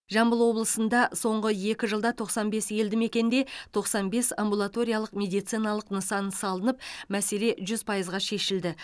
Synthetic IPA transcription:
ʒɑmbəlˠwo̞blˠəsənd̪ɑso̞ɴʁəje̞kʲɪʒəlˠd̪ɑt̪ʰo̞qsɑnbe̞sje̞ld̪ɪme̞kʲe̞nd̪e̞t̪ʰo̞qsɑnbe̞sambulˠat̪o̞ɾʲijalˠəqmʲe̞d̪ijt̪sijnɑlˠəqnəsɑnsɑlˠənəp̚mæse̞le̞ʒʏzpʰɑjəzʁɑʃe̞ʃɪld̪ɪ

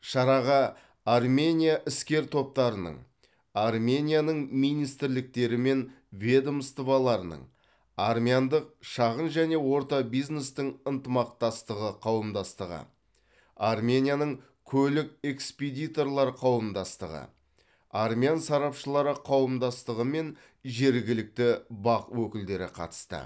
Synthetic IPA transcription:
ʃɑɾɑʁɑ | armʲenʲijaʔɪskʲe̞ɾt̪ʰo̞p̚t̪ɑɾənə̰ɴ | ɑrmʲenʲijanəɴmijnijst̪ɪɾlɪk̚t̪e̞ɾɪme̞n | vʲe̞d̪omst̪əvɑlˠɑɾənə̰ɴ | armijand̪əq̚ʃɑʁənʒæne̞wo̞ɾt̪ɑbijzne̞st̪ɪɴənt̪əmɑq̚t̪ɑst̪əʁəqʰɑwəmd̪ɑst̪əʁə̰ | armʲenʲijanəɴ | kʲʰɵlɪk̚e̞ksped̪ijt̪o̞rlˠɑɾqʰɑwəmd̪ɑst̪əʁə̰ | ɑrmʲijansɑɾɑpʃəlˠɑɾəqʰɑwəmd̪ɑst̪əʁəme̞n | ʒe̞ɾɡʲɪlɪk̚t̪ɪbɑqwɵkʲɪld̪e̞ɾɪ̰qʰɑ̰t̪ə̥st̪ə̰

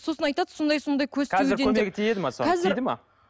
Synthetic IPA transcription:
so̞sənɑjt̪ɑd̪əsond̪ɑjso̞nd̪ɑjkʲʰɵzk̪ʰzɪɾd̪eɵmeɡʲɪt̪ʰijed̪ɪmɑsoqʰɑzɪɾd̪ɪmɑ̰

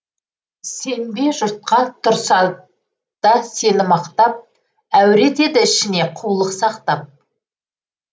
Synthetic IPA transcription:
se̞nbe̞ʒʊɾt̪̚qɑnt̪ʰʊɾsɑ | d̪̥ɑse̞nɪmɑqt̪ɑp̚ | æwɾe̞d̪e̞d̪ɪɪʃɪne̞qʰulˠəqsɑqt̪ɑp̚

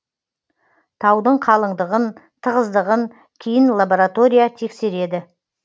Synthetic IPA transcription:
t̪ʰɑwd̪əɴqʰɑlˠəɴd̪əʁənt̪ʰəʁəzd̪əʁəŋ | kʲʰejɪnlˠaboɾat̪o̞ɾijat̪ʰe̞kse̞ɾe̞d̪ɪ

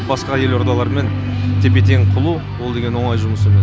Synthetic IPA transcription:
bɑsqɑje̞lo̞ɾd̪ɑlˠɑɾme̞n | t̪ʰe̞pe̞t̪̬eŋqʰʊlˠu | wo̞lˠd̪e̞ɡʲenwo̞ɴɑjʒʊməsəmen

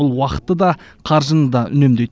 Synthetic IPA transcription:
ʊlˠwɑqə̥t̪ːəd̪ɑ | qʰɑɾʒənəd̪ɑʔʏ̰ne̞md̪e̞j̪

